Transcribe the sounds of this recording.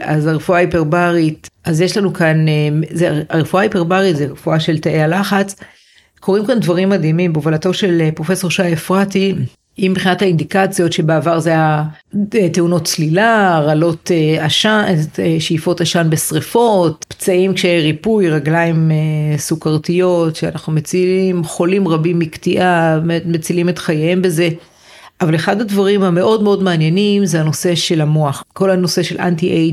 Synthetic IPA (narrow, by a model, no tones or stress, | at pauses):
azaʁefuaipeʁbaʁit̚ʔazjeʃlanukanezeaʁefuaipeʁbaʁitzeʁefuaʃe̞lt̪aʔealaχat͡s | kʰo̞ʁimkandvaʁimːad̪imimbuvalato̞ʃe̞lpʁo̞fe̞so̞ʁʃajefʁati | imbeχinathaind̪ikat͡sjo̞tʃebeavaʁzeaja | teuno̞tt͡slilaʁalo̞teaʃaeʃejfo̞taʃanbesʁifo̞t̚pt͡saʔimkʃeʁipujʁaɡlaimesukaʁt̪ijo̞tʃeanaχnumet͡silimχo̞limʁabimːikt̪iʔametmet͡silime̞t̪χajaembeze̞ | ʔavaleχad̪advaʁimhame̞ʔo̞dmeo̞dmaːnjenimzehano̞se̞ʃe̞lamoaχko̞lano̞se̞ʃelʔa̰ntiʔe